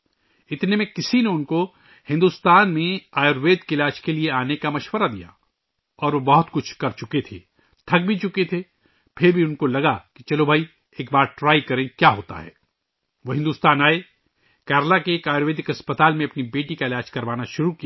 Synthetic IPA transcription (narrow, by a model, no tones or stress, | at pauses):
ɪt̪nemẽkɪsineʊnko | hɪ̃nd̪ust̪aːnmẽaːjoɾʋeːd̪keɪlaːt͡ʃkelieaːnekamɐʃwəɾad̪ḭja̰ | ɔːɾʋobɐɦʊt̪kʊt͡ʃʰkɐɾt͡ʃʊket̪ʰḛː | t̪ʰɐɡ̚bʱit͡ʃʊket̪ʰe | pʰɪɾbʱiʊnkolɐɡakit͡ʃɐlobʱaːi | eːk̚baːɾʈɾaːikɐɾẽkjaːɦoːt̪a̰ɦɛ̰ː | ʋoɦɪ̃nd̪uːst̪aːnaːe | kɛːɾlakeːkaːjɾʋeːd̪ɪkɐspɐt̪aːlmẽɐpnibeːʈikaɪlaːd͡ʒkɐɾʋaːnaʃʊɾukia